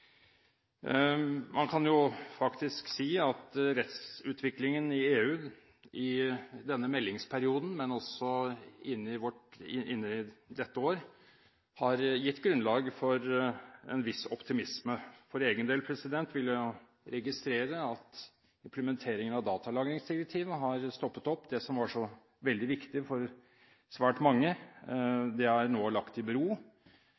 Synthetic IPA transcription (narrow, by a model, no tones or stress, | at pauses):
mɑnkʰɑnjʊfɑkt̪ɪsksiːɑt̪ɾɛt̪ssʉːt̪ʋɪklɪŋənɪeːʉː | ɪd̪ɛnːəmɛlːɪŋspʰæɾɪuːd̪n̩mɛnɔsɔɪnːɪʋɔʈɪɪnːəd̪ɛt̪ːəoːɾ | hɑɾjɪt̪ːɡɾʉnlɑːɡfɔɾɛ̰nʋɪsɔpt̪ɪmɪsməfɔɾeːɡənd̪eːlpʰɾɛsɪd̪ɛnt̪ʋɪlːə | ɾɛɡɪst̪ɾeːɾəɑt̪ | ɪmpləmɛnt̪ʰeːɾɪŋənɑʋd̪ɑːt̪ɑlɑːɡɾɪŋsd̪ɪɾɛk̚t̪ʰiːʋəɦɑɾst̪ɔpːət̪ɔpːd̪ɛsɔmʋɑʂɔ | ʋɛld̪ɪʋɪkt̪ɪfɔɾ | sʋæːʈmɑŋːə | d̪ɛhæɾnoːlɑkt̪ɪbɾuː